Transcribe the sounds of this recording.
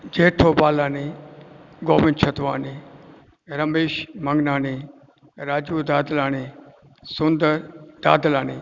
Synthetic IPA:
d͡ʒeːʈʰoːbaːlaːniː | ɡoːmɪ̃nt͡ʃʰɐt̪ʋaːni | ɾɐmeːʃmɐŋɡnaːniː | ɾaːd͡ʒuːd̪aːd̪əlaːniː | sʊnd̪əɾd̪̥aːd̪əlaːniː

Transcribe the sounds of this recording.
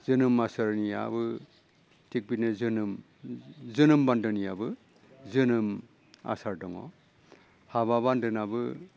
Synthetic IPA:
z̥ɯnɯmasaɾnija̰bɯ | tʰik̚binɯzɯnɯm | zɯnɯmbandɯnijabɯ | zɯnɯm | a̰saɾdɔŋɔ̰ | haβaβandɯnabɯ

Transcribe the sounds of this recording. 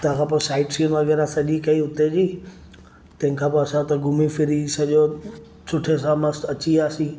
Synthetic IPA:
t̪ɐãkʰãp̬osaːɪʈsiunʋɐɣɛːɾasɐʄikɐiʊt̪ed͡ʑiː | t̪ɐ̃ɦɪ̃kʰãːpɐsãt̪ɐɡʱʊmifɪɾisɐʄo | sʊʈʰes̬ãmɐsɐt͡ɕiaːsĩː

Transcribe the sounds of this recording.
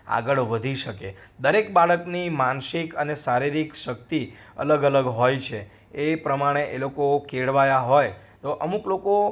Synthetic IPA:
a̰ɡəɭʋəd̪ʱiʃəked̪əɾekbaɭəknimanʃikənesaɾiɾikʃəkt̪i | ə̰ləɡələɡɦojt͡ʃʰe | epɾəmaɽ̃eʔelokokeɽʋajaɦoj | t̪oʔəmukloko

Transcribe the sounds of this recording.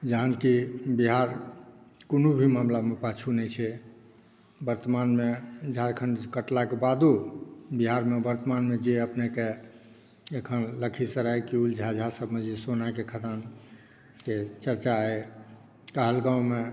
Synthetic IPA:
d͡ʒəɦənkibiɦaɾ | konubʱimamlamepat͡ʃʰunɛt͡ʃʰɛ | bəɾt̪əmanmed͡ʒʱaɾkʰəɳɖkəʈlakebad̪ubiɦaɾmebəɾt̪əmanmed͡ʒeəpneke | ekʰənləkʰisəɾajkiuld͡ʒʱad͡ʒʱasəbʱmed͡ʒesonakekʰəd̪an | ket͡ʃəɾt͡ʃae | kəɦəlɡãume

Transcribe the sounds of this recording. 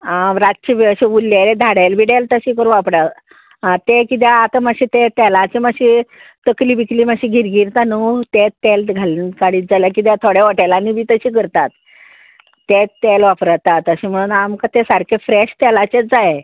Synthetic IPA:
aɾat̪t͡ɕiʋəɕeulːeɾed̪ʱaɽelʋiɽelt̪əɕiːkəɾʋapɽa | ãt̪ekit̪jaat̪aməɕit̪et̪ɛlat͡ɕemaɕit̪əkliːbikliːməɕiːɡʱiɾɡiɾt̪anut̪et̪elɡʱalinkaɽiːt̪̚d͡zalakit̪̬jat̪ʰoɽɛʋaʈalanibiːt̪əɕiːkəɾt̪at̪ː | et̪ːelʋapɾət̪at̪əɕim̤əɽ̃uːnamkat̪esaɾkʰefɾeɕt̪ɛlat͡ɕed͡zae

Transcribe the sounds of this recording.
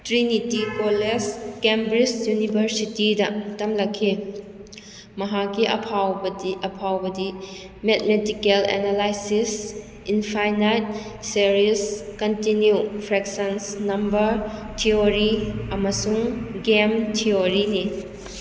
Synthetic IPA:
tɾinitikoleskembɾid͡ʒjunibʱɐɾsitidɐtɐmlɐkʰːi | mɐɦakːiʔɐ̰pʰawbiʔɐpʰawbɐdi | met̚medikelḛnalajsis | inpʰajnajt̚seɾiskɐntinjupʰɾeksensnɐmbɐɾtʰioɾiɐmɐsuŋɡemtʰioɾini

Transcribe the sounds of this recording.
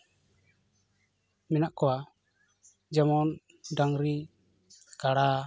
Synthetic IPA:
mɛnaʔkɔwa | d͡ʒamɔn | daŋɾi | kaɽa

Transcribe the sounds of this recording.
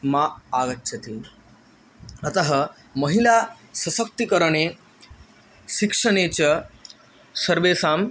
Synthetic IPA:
maaɡətːɕɐt̪i | ət̪əɦə | mɐɦila | sɐsək̚t̪ikəɾəɳe | ɕikʂəɳ̃et͡ɕa | sɐɾʋesam

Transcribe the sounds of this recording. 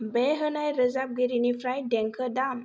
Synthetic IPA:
beɦənajɾəzap̚ɡiɾinifɾajdɛŋkʰədam

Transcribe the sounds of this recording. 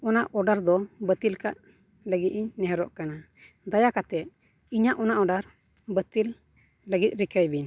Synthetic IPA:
ɔnaʔɔɖaɾd̪ɔbət̪ilkaʔ | ləɡit̪̚iɲnɛɦɛɾɔ̰ʔkana | d̪ajakat̪ɛt̪̚ | iɲaʔɔnaʔɔɖaɾ | bət̪ilː | əɡit̪̚ˀɾikəjbiɲ

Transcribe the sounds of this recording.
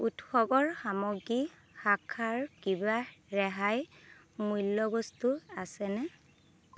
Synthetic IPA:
utxɔbɔɹxamɔɡi | xakʰaɹkibaɹɛɦaj | mujlːɔbɔstuasɛnɛ

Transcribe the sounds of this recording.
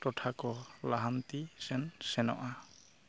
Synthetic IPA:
ʈɔʈʰakɔlaɦant̪isɛnsɛnɔ̰ʔa

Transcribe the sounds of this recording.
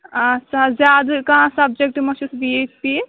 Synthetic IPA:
ɐtːʃʰazad̪kaɦãsɐb̚d͡ʒek̚ʈmɐsusbiet͡ʃpi

